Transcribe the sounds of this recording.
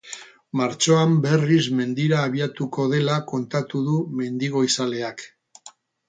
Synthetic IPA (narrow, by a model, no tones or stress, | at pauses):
maɾt͡ʃo̞ambe̞rizme̞nd̪iɾaːβiat̪uko̞ð̞e̞lako̞nt̪at̪uðume̞nd̪iɣo̞isale̞ak